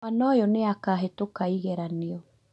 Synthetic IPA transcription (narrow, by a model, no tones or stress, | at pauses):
anɔjɔneakaɦetokaiɣeɾaneɔ